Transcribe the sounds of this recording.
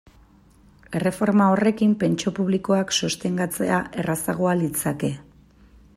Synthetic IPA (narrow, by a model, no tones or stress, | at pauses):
e̞re̞fo̞ɾmao̞re̞kimpe̞nt͡ʃo̞puβliko̞aksost̪e̞ŋɡat͡se̞aʔe̞rasaɣ̞oalit͡sake̞